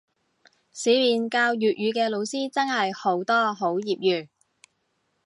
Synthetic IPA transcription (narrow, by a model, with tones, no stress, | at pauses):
siː˨˧˥miː˨nkaː˧wjyː˨t̚jyː˨˧kɛː˧lo˨˧wsiː˥t͡sɐ˥ŋhɐ˨jho˨˥wt̪ɔː˥ɦo˨˥wjiː˨p̚jyː˨˩